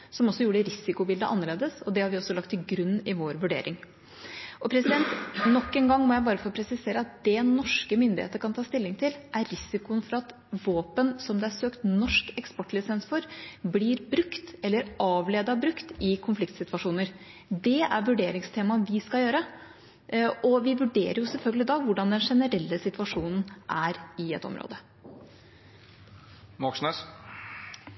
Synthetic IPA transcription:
sɔmɔsːɔjuːɖəɾɪsɪkʊbɪld̪əʔɑnːəɭeːd̪əsɔd̪ɛhɑɾʋɪɔsːɔlɑkt̪ʰːɪɡɾʉnːɪʋoːɾʋʉɖḛːɾʔɪŋ | ʔɔpʰɾɛsɪd̪ɛnt̪nɔkːɛnɡɑŋːmɔjæɪbɑːɾəfɔɾɔpʰɾɛsɪseːɾəɑt̪̚d̪ɛnɔʂkəmʏnd̪ɪhḛːt̪əɾkʰɑnt̪ʰɑːst̪ɪlːɪŋt̪ʰɪlʔæɾːɪsɪkʊənfɔɾɑt̪ | ʋoːpənsɔmd̪ɛæɾsøːkt̪nɔʂkɛkspɔʈːlɪsɛnsfɔɾbliːɾbɾʉkt̪ɛlːəɾɑːʋleːd̪ɑbɾʉkt̪ɪkʰʊnflɪkt̪sɪt̪ʋɑʂuːnəɾ | d̪ɛæɾʋʉɖeːɾɪŋst̪ʰeːmɑʋɪskɑljøːɾə | ʔɔʋɪʋʉɖḛːɾəɾjʊsɛlfœlɡəlɪd̪ɑʋʊɖɑnd̪ɛnʂɛnəɾɛlːəsɪt̪ʋɑʂuːnn̩ʔæɾɪɛt̪ːɔ̰mɾʔo̰ːd̪ə | mɑkʂnɛs

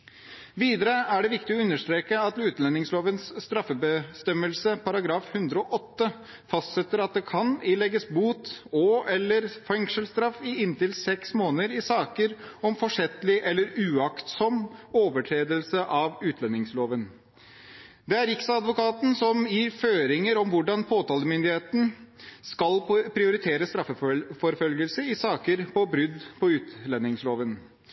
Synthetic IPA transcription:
ʋiːd̪əɾəæɖɛʋɪkt̪ɪɔʉnːəʂʈ̪ɾeːkəɑt̪ʉːt̪lɛnːɪŋsloːʋənsːt̪ɾɑfːəbəst̪ɛməlsəpʰɑɾɑɡɾɑːfhʉnd̪ɾəɔʔɔt̪ːə | fɑst̪sɛt̪ːəɾɑt̪̚d̪ɛkʰɑnɪlɛɡːəsbuːt̪ɔɛlːəɾfɛŋʂəlst̪ɾɑfɪɪnt̪ɪlsɛksmoːnəɾɪsɑːkəɾɔmfɔʂɛt̪lɪʔɛlːəɾʉːɑkt̪sɔmoːʋəʈʰɾeːd̪əlsəʔɑʋʉːt̪ʰlɛnːɪŋsloːʋən | d̪ɛæɾɪksɑd̪ʋʊkɑːt̪n̩sɔmjiːɾføːɾɪŋəɾɔmʋʊɖɑnpʰoːt̪ʰɑːləmʏnd̪ɪheːt̪n̩skɑlpʰɾɪʊɾɪt̪ʰeːɾəst̪ɾɑfəfɔɾfœlɡəlsəɪsɑːkəɾpʰɔbɾʏd̪pʰɔʉːt̪lɛnːɪŋsloːʋən

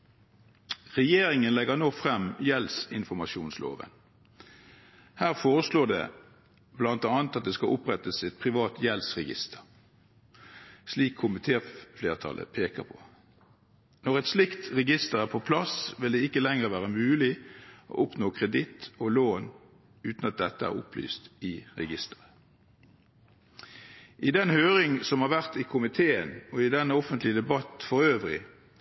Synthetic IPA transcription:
ʁɛjeːɾɪŋənlɛɡənoːfʁɛmjɛlsɪnfɔmɑʃuːnslo̰ːʋə̰n | hæːʁfoːʁəsloːd̪ɛ̰ː | blɑnt̪ɑːnt̪ɑt̪̚d̪eːskɑʔʊpʁɛt̪əsɪt̪̚pʰʁɪʋɑːt̪jɛlsʁɛɡɪ̰st̪ʰəʁ | sliːkʰːʊmɪt̪ʰeːfleːʁt̪ʰɑ̰lʔə̰pʰeːkəpʰo̥ | nɔʁɛt̪slɪkt̪ʁɛɡɪst̪əʁæːʁpʰopʰlɑsʋɪld̪ɛɪkːəlɛŋəʁʋæːʁəmʉːlɪʔo̰ːʔʊpnoːkʰʁɛd̪ɪt̪ɔloːn | ʉːt̪n̩ɑt̪̚d̪ɛt̪ːəæ̰ːʁʊ̰pʰly̰ːst̪ɪʁɛɡɪst̪ə̥ʁə | ʔɪd̪ɛnhøːʁɪŋsɔmhɑːʁʋæʁt̪ɪkʰʊmɪt̪ʰeːənɔɪd̪ɛnːəɔfənt̪lɪd̪ɛbɑt̪fɔʁøːʋʁɪ̰

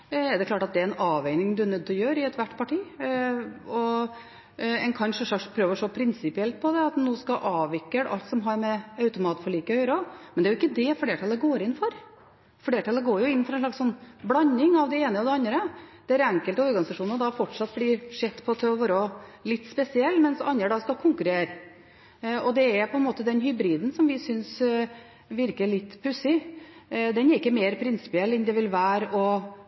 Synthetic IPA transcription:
ɛɖ̪ɛkʰlɑːʈɑt̪̚d̪ɛæɾɛnɑːʋæɪnɪŋd̪ʉæɾnœd̪ːɔjøːɾɪɛt̪ʋæʈːpʰɑʈiː | ɔ | ɛnkʰɑnʂəʂɑkspʰɾøːʋəʂoːpʰɾɪnsɪpɪɛlt̪̚pʰɔd̪ɛɑt̪nuːskɑʔɑːʋɪkːəɽʔɑ̰lt̪sɔmɦɑɾmɛœʉt̪ʊmɑːt̪fɔɭiːkəɔjøːɾɔmɛnd̪æɾjʊɪkːəd̪ɛfleːʈʰɑlːəɡoːɾɪnːfɔɾ | fleːʈʰɑləɡoːɾjʊɪnːfɔɾɑɛnʂlɭɑksɔnːblɑnːɪŋɑʋd̪ɛeːnəɔd̪ɛɑnd̪ɾəd̪̥ɛæːɾæŋkəlt̪əɔɾɡɑnɪsɑʂuːnəɾd̪ɑfɔʈʂɑt̪̚ːblɪɾʂɛt̪ːpʰɔt̪ʰɛʋɔɾɔlɪt̪ːspɛsɪɛlːmɛnsɑ̰nːəɖ̪ɑskɑkʰʊŋkʉɾeːɾ | ɔd̪ɛæɾpʰɔɛnmoːt̪əd̪ɛnhʏbɾiːd̪n̩sɔmʋɪsʏns | ʋɪɾkəɭɪt̪ːpʰʉsɪ | d̪ɛnɛɾɪkːəmeːɾpʰɾɪnsɪ̥pɪɛlːɛnd̪ɛʋɪlʋæːɾɔ

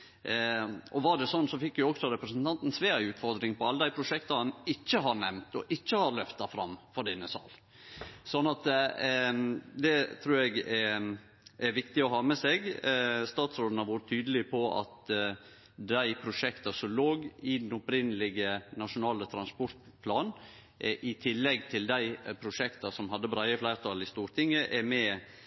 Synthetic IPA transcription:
ɔʋɑɖɛsɔnːsɔfɪkːjʊɔksɔɾɛpɾəsnt̪ʰɑnt̪n̩sʋeːɾɪʉːt̪fɔɾd̪ɾɪŋpɔɑlːəd̪æɪpʰɾʊʂɛkt̪ɑɑnɪt͡ʃːəɦɑɾnɛmt̪ɔ̰ʔɪçːəhɑɾlœft̪ɑfɾɑ̰mːfɔɖ̪ɛnːəsɑ̰ːl | sɔnːɑt̪ | d̪ɛt̪ʰɾʉːɾɛɡɛɾ | æɾʋɪkt̪ɪɔɦɑːmɛseːɡst̪ɑːt̪sɾoːd̪n̩hɑɾʋʊɾət̪ʰːyːd̪əlɪpʰɔʔɑ̰t̪ | d̪æɪpʰɾʊʂɛkt̪ɑsɔmloːɡɪd̪ɛnɔpɾɪnːəlɪɡənɑʂʊnɑːlət̪ʰɾɑnspɔɾt̪ | pʰlɑːn | ʔʔɪt̪ʰɪlːɛɡt̪ʰɪld̪æɪpʰɾʊʂɛkt̪ɑsɔmɦɑd̪ːəbɾɑɪəflæɪɾt̪ʰɑlːɪst̪uːɾt̪ʰɪŋːəʔɛɾmɛ

